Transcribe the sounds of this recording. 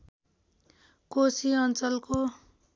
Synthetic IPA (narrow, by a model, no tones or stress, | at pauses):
kosiʌnt͡sʌlko